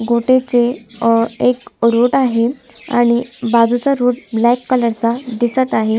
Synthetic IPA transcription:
ɡoʈet͡se | ekɾoʈaɦe | a̰ɽ̃ibad͡zut͡saɾod̪blɛkːələɾt͡sad̪isət̪aɦe

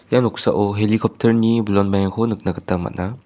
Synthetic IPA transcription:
janɔksa̰ʔɔɦelikʰɔp̚tʰɐɾnibulɔnbajaŋkʰonɯk̚nakɯtama̰tna

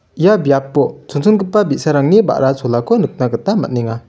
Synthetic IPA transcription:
jabjapːot͡sʰot͡sʰunɡɯpːabiʔsaɾaŋniba̰ʔɾat͡sʰolakonɯk̚nakət̪ama̰ʔniŋa

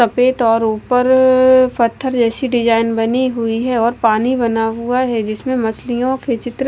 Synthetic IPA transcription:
ɐpeːt̪ɔːɾuːpəɾpɐt̪ʰːəɾd͡ʒɛːsiɖɪd͡ʒaːɪnbɐniɦʊiɦɛɔːɾpaːnibɐnaɦuaɦɛd͡ʒɪsmẽmɐt͡ʃlijõket͡ʃɪt̪ɾ

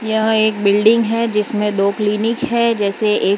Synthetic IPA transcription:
jɐɦeːk̚bɪlɖɪ̃ŋɡɦɛd͡ʒɪsmẽd̪oːkliːnɪkɦɛd͡ʒɛːseʔeː

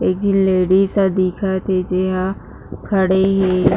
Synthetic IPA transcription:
eːk̚d͡ʒɪnleːɖisad̪iːkʰat̪ed͡ʒeɦã | kʰəɽeɦe

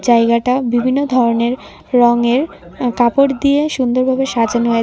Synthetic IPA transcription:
d͡ʑajɡaʈabibʱinːod̪ʱɔɾoneɾː | ɔŋeɾ | kapoʈd̪ieʃund̪oɾbʱabeʃad͡ʑʱanoe

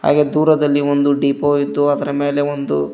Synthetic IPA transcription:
ɦa̰ːɡe̞d̪uːɾɐd̪ɐlːiond̪uɖiːpoːid̪ːuɐd̪ɐɾɐme̞ːle̞ond̪ṵ

